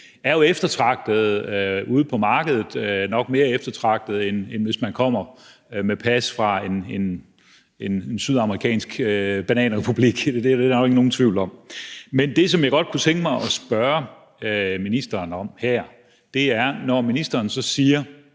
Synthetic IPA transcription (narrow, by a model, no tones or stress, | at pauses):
æɐjo̝efd̥ɐt͡sʰʁɑ̈ɡ̥̚d̥ð̩ˠuːð̞̩ˠpʰɒ̽mɑ̈ːɡ̥əð̞ˠð̩ˠnɒ̽ɡ̥me̝ːɐefd̥ɐt͡sʰʁɑ̈ɡ̥̚d̥ð̞̩ˠenenʋe̝smænkʰɒ̽m̰ɐ | mepʰæsfʁɑ̈e̝ne̝n | e̝nnsyðˠɑ̈məʁikʰɛ̰ːnsɡ̥b̥ænɛ̰ːnʁɛpʰub̥liɡ̥d̥e̥eænɒɡ̥eɡ̥əno̝ːn̩t͡sʰʋiʊlɒ̽m̰mend̥e̝sɒ̽mjɑ̈ɪɡ̥ɒ̽d̥̚kʰut͡sʰeŋɡ̥əmɑ̈ɪʔɒ̽sb̥ɶɐ | minisd̥ɐːnɒ̽mhæɐ̰ | d̥e̝æɐnɒminisd̥ɐːnsɒ̽siːɐ